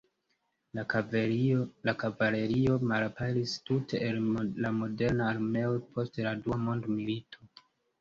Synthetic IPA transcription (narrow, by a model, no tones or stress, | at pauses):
lakavale̞ɾio̞malapaɾistute̞ʔːllamo̞de̞ɾnaːɾme̞opʰo̞steladuamo̞ndmilitʰo̞